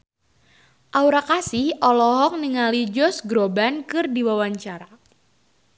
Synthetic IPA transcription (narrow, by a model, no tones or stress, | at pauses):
ʔauɾakasɪhʔɔlɔɦɔk̚niŋalid͡ʒɔsɡɾobankɨrdiwawaɲt͡ʃaɾa